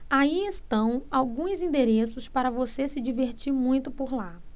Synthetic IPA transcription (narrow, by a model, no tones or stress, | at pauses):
aiest̪ɐ̃w̃awɡũzĩd̪eɾesʊspaɾɐvosesɪd͡ʒiveɾt͡ʃiɾmũj̃t̪ʊpoɾla